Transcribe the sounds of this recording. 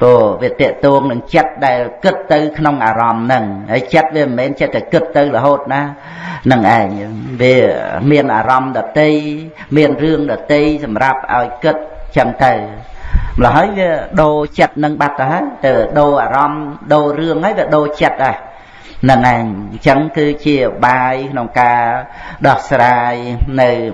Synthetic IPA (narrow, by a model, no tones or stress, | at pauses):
poːʋiət̪ɛ̆əʔt̪oːŋnɨŋt͡ɕət̪̚ɗaɛlkɨt̪ːɨwkʰnoŋʔaːɾɑmnɨŋhaːjt͡ɕət̪̚ʋiəmmɛːnt͡ɕət̪̚ːakɨt̪̚ːɨwləɦoːt̪̚naː | nɨŋʔaɛŋʋiəmiənʔa̰ːɾɑmɗɑːt̪ːej | miənrɨəŋɗɑːt̪ɨjsɑmrap̚ʔa̰ɔjkɨt̪̚ɲt͡ɕəŋt̪ɨw | mləɦaːjʋiəɗoːt͡ɕət̪̚nɨŋɓat̪ːɨɦaəjt̪aːʋiəɗoːʔaːɾɑmɗoːrɨəŋhaːjʋiəɗoːt͡ɕət̪̚ʔa | nɨŋʔaɛŋt͡ɕəŋkɨːt͡ɕiəɓaːjkʰnoŋkaːɗɑhsraːjnɨw